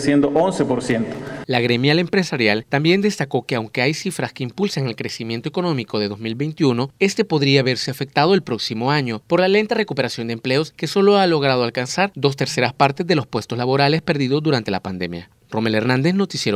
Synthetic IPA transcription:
sjend̪oʔonsepoɾsjent̪o̥laɣɾemjale̞mpɾe̞saɾjalt̪ambje̞nd̪e̞st̪ako̞ke̞awŋke̞ajsifɾaske̞impulsaŋe̞lkɾe̞simje̞nt̪o̞e̞ko̞no̞miko̞ð̞e̞ðo̞zmilβe̞jnt̪iuno̞e̞st̪e̞po̞ðɾiaːβe̞ɾse̞afe̞k̚t̪að̞o̞elpɾo̞ksimo̞aɲo̞po̞ɾlale̞nt̪are̞kupe̞ɾasjo̞nd̪emple̞o̞ske̞so̞loalo̞ɣ̞ɾað̞oalkansaɾd̪o̞s̬t̪e̞ɾse̞ɾaspaɾt̪e̞zðe̞lo̞spwe̞st̪o̞zlaβo̞ɾale̞spe̞ɾðiðo̞zd̪uɾant̪e̞lapand̪e̞mja̰ | ro̞meleɾnãnd̪e̞zno̞t̪isjeɾ

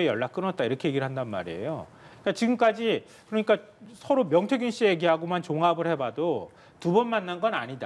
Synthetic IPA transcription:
ejʌɭːak͈ɯnʌt̚t͈aiɾʌkʰeje̞ɡiɯɭɦandanma̰ɾiḛjo | ik͈at͡ɕiɡɯmk͈ad͡ʑi | kɯɾʌɲik͈a | sʰʌɾomjʌŋtʰeɡunɕ͈ijeɡiɦaɡomant͡ɕoŋɦabɯɭhe̞bado | tubʌnmanːanɡʌnaɲida̰

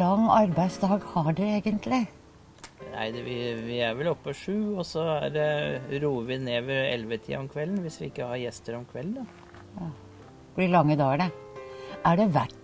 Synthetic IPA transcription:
lɑŋːɑɾbæɪsd̪ɑːɡhɑɖʉeːɡənt̪ʰlɪ | næ̰ɪd̪ɛʋɪʋɪæɾʋɛlɔpːəʂʉːɔsɔæ̰dɛɾuːəʋɪneːʋəɾɛ̰lʋət̪ʰḭːɑɔmkʰʋɛlːn̩ʋɪsʋɪɪkːəhɑɾjɛst̪əɾɔmkʰʋɛlːd̪ɑ | jɑː | fɔɖɪlɑŋːəd̪ɑːɡəɳə | æɖɛʋæʈː

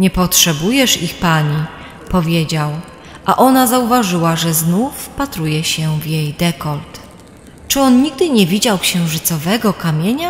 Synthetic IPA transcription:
ɲɛpɔtʂɛbujɛʂixpaɲi | pɔvʲjed͡ʑaw | ʔaʔɔnazauvaʐɘwaʐɛznufpat̪ɾujɛɕɛvjejd̪ɛkɔlt̪ | t͡ʂɘɔnɲiɡ̚d̪ɘɲɛvʲid͡ʑawkɕɛ̃w̃ʐɘt̪sɔvɛɡɔkamʲjeɲa

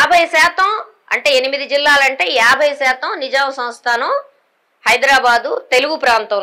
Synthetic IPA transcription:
jaːbʱɐjɐsɛːt̪ɐm | ɐ̰ɳʈe̞ːenimid̪id͡ʒilːaːlɐɳʈe̞ːjaːbʱɐjɐsɛːt̪ɐmnid͡ʒaːmɐsɐ̃m̃st̪ʰaːnɐm | hɐjd̪ɾaːbaːd̪ut̪e̞luɡupɾaːnt̪ɐ

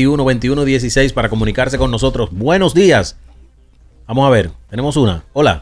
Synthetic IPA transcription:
iunoβe̞nt̪iunoðje̞s̬ise̞jspaɾako̞mũnikaɾs̬e̞ko̞nːo̞s̬o̞t̪ɾo̞sbwe̞no̞zd̪ias | bamosaβe̞ɾt̪e̞ne̞mo̞s̬una̰o̞la̰

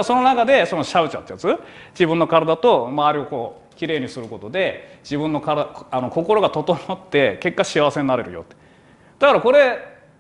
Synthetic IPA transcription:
so̞no̞nakad̪e̞so̞noɕaɯ̟t͡ɕa̰t̪ːejat͡sɨd͡ʑibɯ̟̃nːo̞kaɾad̪at̪o̞maβaɾʲio̞ko̞ː | kʲiɾe̞ːɲ̟isɨɾɯ̟ko̞t̪o̞d̪e̞d͡ʑibɯ̟̃nːo̞kaɾaaano̞ko̞ko̞ɾo̞ɡat̪o̞t̪o̞mat̪ːe̞ke̞kːaɕiaβase̞ɲinaɾe̞ɾɯ̟jo̰t̪ːe̥ | d̪̥akaɾako̞ɾe̞

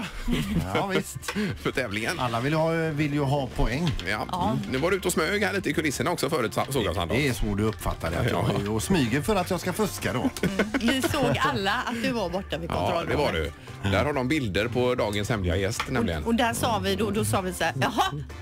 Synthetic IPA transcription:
vɪst̪fœʈʰɛːvlɪŋənalːavɪljvɪlːjɵɦɑpʰɔɛŋːjɑ̰ɑnʉ̟ːvaɖɛʉːt̪ɔsmøːɡhæɭiːt̪əɪkʰɵlɪsːəɳaɔksɔfœːɾʉːt̪soːɡjasa̰nd̪̰ɛɛsvoːɖɵɵpːfa̰t̪ːaɖɛ̰aj̰smyːɡəɾfœɾat̪jɑɡskafɵskad̪ɔ̰vɪsoːɡalːaat̪̚d̪ɵvaɾbɔʈːavɪk̪ːd̪ɛvaɖɛ̰ | d̪æɾhaɖɔmbɪld̪əɾpʰɔd̪ɑːɡənshɛmlɪɡa̰jɛst̪nɛmlɪɡə̰nɔd̪æsɑːvɪd̪ɔd̪ɔsɑːvɪsaɑɦɑ

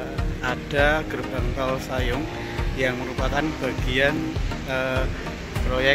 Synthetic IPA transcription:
ad̥aɡ̥ərb̥aŋkalsajʊŋ | jaŋməɾupakanb̥aɡianə | pɾojɛ

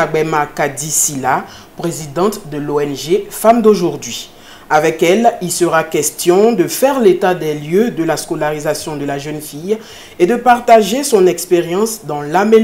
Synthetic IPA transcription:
aɡ͡bɛmakad̪isila | pʁezid̪ɑ̃t̪d̪əloɛnʒefamd̪oʒuʁd̪ɥi | avɛkɛlilsəʁakʲɛst̪jɔ̃d̪əfɛʁlet̪ad̪ɛljød̪əlaskolaʁizasjɔ̃d̪əlaʒœnfij | ed̪əpaʁt̪aʒesɔ̃nɛkspeʁjɑ̃sd̪ɑ̃lame

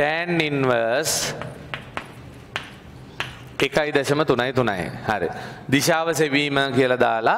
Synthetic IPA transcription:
ʈɛːninʋəɾs | ekajd̪əʃɐmət̪unajt̪una̰j̰haɾḛd̪iʃaːʋəseʋiːməkijəlad̪aːla

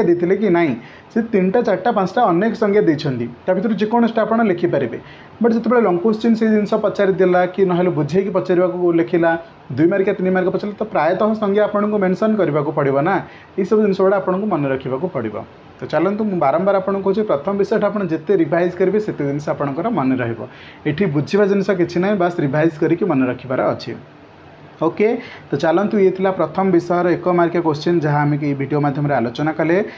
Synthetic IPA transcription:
d̪et̪ʰilekinaɦĩ | set̪inʈat͡ʃaʈapãt͡ʃʈaɔnekɔ̥sɔŋɡʰʱjad̪ejt͡ʃʰɔnt̪it̪apʰit̪ʰɾud͡ʒekoɽ̃ɔsʈaapɔɽ̃ɔlekʰipaɾibḛ | bɔʈiset̪ebeɭelɔŋkost͡ʃinseɦid̪insɔpɔt͡ʃaɾid̪elakinɔɦelɔbud͡ʒʱikipɔt͡ʃaɾibakulekʰila | d̪ujmaɾikat̪inimaɾikɔpɔt͡ʃʰalat̪ɔpɾajɔt̪ɔɦɔsɔŋɡjaːpɔɽ̃ɔŋkumensɔnkɔɾibakupɔɽibɔna | esɔbud̪inɔsɔbaɽaːpɔɽ̃ɔŋkumɔnɔɾɔkʰibakupɔɽibɔ̰ | t̪ɔt͡ʃalɔnt̪umũbaɾɔmbaɾapɔɽ̃ɔŋkuɦot͡ʃʰipɾɔt̪ʰɔmɔbisɔʈʰapɔɽ̃ɔ̃d͡ʒet̪eɾibʱajzkɔɾibeset̪ed̪inisɔapɔɽ̃ɔŋkɔɾɔmɔneɾɔɦibɔ̰ | eʈʰibud͡ʒʱibad͡ʒinisɔk̬it͡ʃʰinaɦĩbʌsɾibʱajzkɔɾikimɔneɾɔkʰibaɾɔ̰ːt͡ʃʰḭ | oket̪ɔt͡ʃalɔnt̪uet̪ʰilapɾɔt̪ʰɔmɔbisɔɔɾɔekɔmaɾkjakost͡ʃind͡ʒaɦaːmek̬ebʱiɽijomad̪ʱjɔmɔɾealot͡ʃɔnakɔle

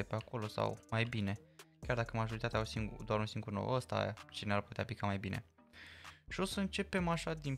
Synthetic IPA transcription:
epeako̞lo̞sa̰wmajbine̞kʲard̪akəmaʒo̞ɾit̪at̪eausiŋɡ̰d̪oaɾunsiŋɡurno̰wəst̪a̰t͡ʃinearput̪eaplikamajbinʔe̞̰ | ʃio̞səɨnt͡ʃe̞pe̞maʃad̪in

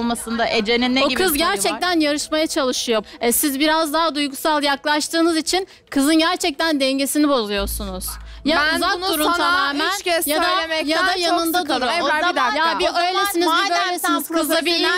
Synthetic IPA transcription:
lˠmasɯnd̪aʔed͡ʒeninːeoikʰɯzɡɟæɾt͡ʃʰɛk̚t̪ʰænjaɾɯʃmajat͡ʃʰalˠɯʃɯjo̞ɛsizbiɾazd̪aɦad̪ujɡusalˠjaklˠaʃt̪ʰɯːnɯzit͡ʃʰin | kʰɯzɯnɟæɾt͡ʃʰɛc̚t̪ænd̪ɛɲɟe̞sinibo̞zˠujo̞ɾsunuz̥jauzadk̪̚uɾut̪amaːmiʃɛjad̪aemɛjad̪ajanɯnd̪ad̪ɾoad̪jabiøjlʲeiniibøjlʲesiniz̥kʰɯzabilːi

